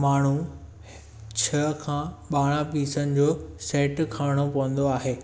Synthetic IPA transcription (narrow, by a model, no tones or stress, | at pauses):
maːɳ̤u | t͡ɕʰɐkʰãːɓaːɽ̃ãpiːsənɪ̆d͡ʑoːsɛːʈkʰaːɽ̃opɐʋə̃nd̪oaːɦeː